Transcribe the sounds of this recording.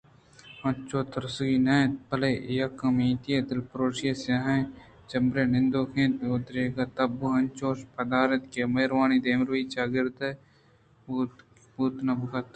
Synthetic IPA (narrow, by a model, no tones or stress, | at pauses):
ɐ̃nt͡ʃoːt̪ɐɾsuɡiːnɐːt̪̚pɐlejɐkːɐmĩːt̪ijed̪ɪlpɾoːʃijesjaɦɐ̃ | t͡ʃɐmbɾenɪnd̪oːkʰẽːnt̪ʊt̪ɾeːɡɐt̪ɐbuɦɐnt͡ʃoːʃpɐd̪aːɾɐt̪kemɐɾwaːnid̪eːmɾuiːt͡ʃaːɡɪɾd̪ɐ | buːt̪nɐbkɐt̪